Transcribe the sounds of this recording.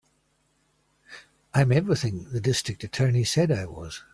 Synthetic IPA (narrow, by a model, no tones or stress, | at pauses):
ãɪ̃mɛvɹiθɪ̃ŋðɨdɪstɹ̥ɨk̚tɨtʰɜ˞nisɛɾaɪwʌ̰z̥